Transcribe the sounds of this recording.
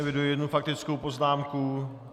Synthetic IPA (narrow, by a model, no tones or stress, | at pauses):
ɛvɪdujɛjɛdnufak̚t̪ɪt͡skowpo̞znaːmku